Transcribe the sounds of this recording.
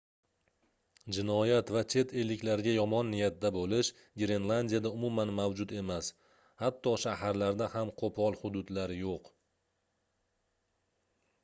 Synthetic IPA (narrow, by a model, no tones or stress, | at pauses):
d͡ʒɪnɒjat̪vat͡ʃʰe̞t̪ʰelːɪkʲlaɾɡʲajɒmɒnːɪjat̪̚d̪abolɪʃ | ɡʲɾe̞nlˠand̪ijad̪aʊmʊmanmawd͡ʒʊt̪e̞mas | hat̪ʰːɒʃahaɾlaɾd̪ahamqʰopʰɒlˠhʊd̪ʊd̪laɾjoq